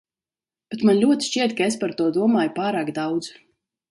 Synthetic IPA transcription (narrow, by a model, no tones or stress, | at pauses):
b̥et̪manlʲuɔt̪iʃt͡ʃiɛt̪kaespaɾt̪uɔd̪uɔmaːjupaːɾaːkd̪awd̪z